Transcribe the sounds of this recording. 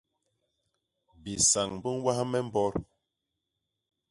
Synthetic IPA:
bi˨sa˨ŋ˨bə˦n˦wa˦hmɛ˦m˦bɔ˦ɾ

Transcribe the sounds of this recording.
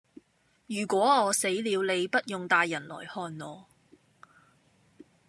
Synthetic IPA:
jyː˨˩kwɔː˨˥ŋɔː˨˧se˨˥jliː˨˧wle˨˧jpɐ˥t̚jʊ˨ŋt̪aː˨˧jːɐ˨˩nlɔ̰ː˨˩jhɔː˧nŋɔː˨˧

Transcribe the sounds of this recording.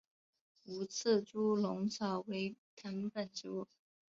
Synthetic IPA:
u˧˥t͡s̩ʰ˥˩ʈ͡ʂu˥lʊ˧˥ŋt͡sʰɑ˨˩ʊwe˧˥ɪt̪ʰa˧˥npə˥˩nʈ͡ʂo˧˥

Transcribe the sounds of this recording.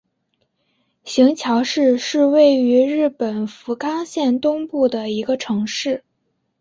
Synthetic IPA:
ɕi˧˥ŋt͡ɕʰjɑ˧˥ʊʂɻ̩˥˧ʂɻ̩˥˧we˥˩ɪy˧˥ɻɻ̩˥˩pə˨˩nfu˧˥kɑ˥ŋɕjɛ˥˧nt̪ʊ˥ŋpu˥˩d̪ə˩i˧˥ɡə˧ʈ͡ʂʰɤ˧˥ŋʂɻ̩˥˩

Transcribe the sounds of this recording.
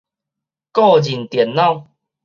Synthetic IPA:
kɔ˥˨d͡ʑi˨˩nt̪jɛ˨˦nːɔ̃˥˨

